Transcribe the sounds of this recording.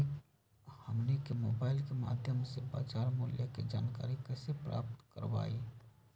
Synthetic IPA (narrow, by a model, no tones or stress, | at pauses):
həmnekemoːbaːɪlkema̰ːd̪ʱjəmseba̰ːt͡ʃaːɾmuljəked͡ʒaːnka̰ːɾikɛːsepɾa̰ːp̚t̪kə̰ɾba̰i